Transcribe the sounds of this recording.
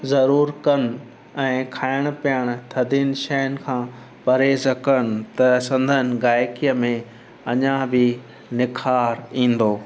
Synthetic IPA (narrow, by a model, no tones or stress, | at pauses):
zɐɾuːɾkɐnɪ̆ | ɛ̃ːkʰaːɪəɽ̃ʊ̆pijəɽ̃ʊ̆t̪ʰɐd̪iːnʃɛɦənɪ̆kʰãː | pɐɾeːzkɐnɪ̆t̪ɐsɐ̃nd̪ʱənɪ̆ɡaːjkijəmẽ | ɐɲãbɪ | nɪkʰaːɾĩːn̆d̪oː